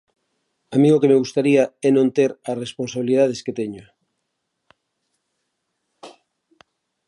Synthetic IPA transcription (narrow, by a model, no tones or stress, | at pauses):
amĩŋokemeɣust̪aɾiaɛnõnt̪eɾasresponsaβ̞iliðað̞esket̪eɲʊ